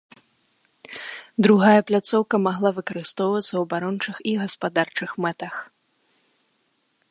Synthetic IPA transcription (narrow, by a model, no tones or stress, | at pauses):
d̪ɾuɣajɐplʲat̪sɔwkɐmaɣlˠavɨkɐɾɨst̪ɔwvɐt̪sːɐwɐbaɾɔnt͡ʂɨxiɣɐspad̪art͡ʂɨxmɛt̪ɐx